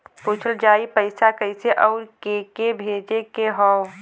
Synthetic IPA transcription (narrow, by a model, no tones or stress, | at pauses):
put͡ʃʰəld͡ʒaːipəɪsakəɪseʔɔːɾkeːkebʱeːd͡ʒekeɦɔʊ